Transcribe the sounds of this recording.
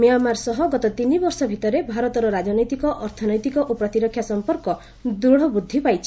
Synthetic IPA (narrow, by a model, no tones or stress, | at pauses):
mijamːaɾsɔɦɔɡɔt̪ɔt̪inibɔɾsɔbʱit̪ɔɾebʱaɾɔt̪ɔɾɔɾad͡ʒɔnɔjt̪ikɔʔɔɾt̪ʰɔnɔjt̪ikɔʔopɾɔt̪iɾɔkʰjasɔmpɔɾkɔ | d̪uɽ̤ɔbud̪ʱːipajt͡ʃʰi̥